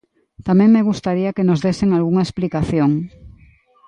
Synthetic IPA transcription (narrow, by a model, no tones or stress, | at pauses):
t̪amẽŋmeɣust̪aɾiɐkenozðeseŋalɣuŋɐesplikaθjoŋ